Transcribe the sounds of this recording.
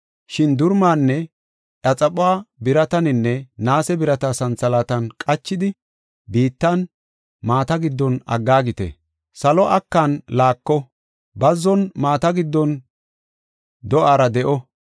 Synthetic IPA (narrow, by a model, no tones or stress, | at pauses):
ʃɪnd̪ʊɾmaːnːɛ | ʔɐt͡sʼɐpʼʊaːbɪɾɐt̪ɐnɪnːɛnaːsɛbɪɾɐt̪asɐnt͡sɐlat̪ɐnkʼɐt͡ʃːɪd̪ɪ | biːt̪ːɐn | maːt̪ɐɡɪd̪ːɔnɐ̰ɡːaːɡɪt̪ɛ̰ | sɐlɔʔɐkːanlaːkːɔ | bɐzːɔnmaːt̪ɐɡɪd̪ːɔn | d̪ɔʔaːɾɐd̪ɛʔɔ